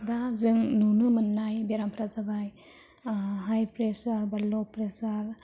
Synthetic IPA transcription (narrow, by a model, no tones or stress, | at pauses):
dazɯŋnunɯmɯnːajbeɾampʰɾazabaj | ɦajpɾesaɾbalɔpɾesaɾ